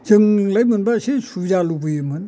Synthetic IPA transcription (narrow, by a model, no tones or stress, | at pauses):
zɯŋlajmɯnbasesuzalubɯjɯmɯn